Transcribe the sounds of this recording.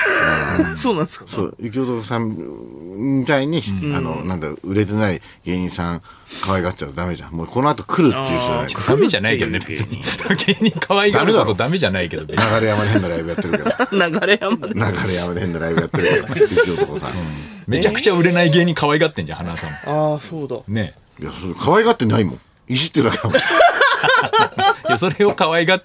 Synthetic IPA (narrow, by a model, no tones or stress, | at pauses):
aa̰nsoːnãnsso̰ːik̬ʲiot̪osãm | it̪aiɲ̟iano̰nãnd̪aɯ̟ɾe̞t̪̬enai | ɡ̥e̞ːɲ̟ĩsãŋ | kaβaiɡat͡ɕaɯd̪ame̞ʑã̰moko̞noat̪o̞kʰɯ̟ɾɯ̟t̪ːeiɯːtona̰d̪ame̞ʑanaike̞d̪onebe̞t͡sɨɲ̟iaɡeːɲ̟ikʰaβaiɡ̪aameaod̪ame̞ʑanaike̞d̪obenaɡaɾejamad̪eɦenːaɾaibɯ̟jat̪ːeɾɯkednaɡaɾejamad̪nnaɡaɾejamad̪ehenːaɾaib̟jat̪eɾɯkeoit͡ɕiookosa̰ɯ̃ː | me̞t͡ɕakɯ̟̥t͡ɕaɯ̟ɾe̞naiɡe̞ːɲ̟ikaβaiɡat̪ːẽ̞ɲd͡ʑã̰hanasã̰masoːd̪ane̞ | ja̰soɾekʰaβaiɡat̪ːenaimõ̰ŋ | iʑit̪ːeakm | jaso̞ɾe̞okaβaiɡat̪ː